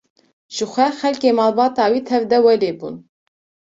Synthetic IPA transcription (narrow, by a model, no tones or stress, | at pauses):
ʒ̥ɨxʷɛxɛlkeːmɑːlbɑːt̪ɑːwiːt̪ʰɛvd̪ɛwɛleːbṵːn